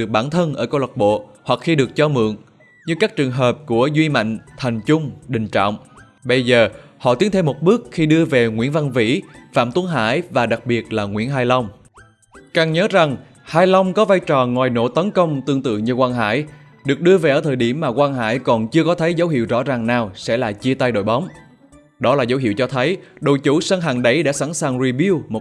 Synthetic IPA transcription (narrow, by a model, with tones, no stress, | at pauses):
ɨ˨˩ək̚ɓaː˧˩nt̪ʰə˧nʔəː˧˩ka˧wlwa˨˩t̚ɓo̰˧˨ | hwa˨˩k̚xi˧ɗɨ˨˩ək̚t͡ɕɔ˧mɨ̰˧˨əŋ | ɲɨ˧kaː˦˥k̚t͡ɕɨ˨˩əŋɦəː˨˩p̚ku˧˩əzwi˧ma̰˧˨jŋ̟t̪ʰa˨˩jŋ̟t͡ɕʊ˧ŋ͡mɗï˨˩ŋ̟t͡ɕɔ̰˧˨wŋ͡m | ɓə˧jzəː˨˩hɔ̰˧˨t̪i˨˦ənt̪ʰe˧mo˨˩t̚ɓɨ˦˥ək̚xi˧ɗɨ˧əve˨˩ŋwḭ˧˥ənva˧nvḭ˧˥fa̰ː˧˨mt̪u˨˦nɦa̰ː˧˥jvaː˨˩ɗa˨˩k̚ɓi˨˩ət̚laː˨˩ŋwḭ˧˥ənɦaː˧jla˧wŋ͡m | ka˨˩ŋɲəː˨˦za˨˩ŋ | haː˧jla˧wŋ͡mkɔ˨˦vaː˧jt͡ɕɔ˨˩ŋwaː˨˩jno̰˧˥t̪ə˨˦nkə˧wŋ͡mt̪ɨ˧əŋt̪ɨ̰˧˨ɲɨ˧kwaː˧nɦa̰ː˧˥˨j | ɗɨ˨˩ək̚ɗɨ˧əve˨˩ʔəː˧˩t̪ʰəː˨˩jɗi˧˩əmːaː˨˩kwaː˧nɦa̰ː˧˥˨jkɔ˨˩nt͡ɕɨ˧əkɔ˨˦t̪ʰə˨˦jzə˨˦whḭ˧˨əwzɔ̰˧˥zaː˨˩ŋnaː˨˩wsɛ̰˧˥laː˨˩t͡ɕi˧ət̪a˧jɗo̰˧˨jɓa˨˦wŋ͡m | ɗɔ˨˦laː˨˩zə˨˦whḭ˧˨wt͡ɕɔ˧t̪ʰə˨˦jɗo̰˧˨˩jt͡ɕu˧˥sə˧nɦaː˨˩ŋɗə˨˦jɗa̰˧˥sa̰˧˥˩nsaː˨˩ŋzi˨˩vi˧wmo˨˩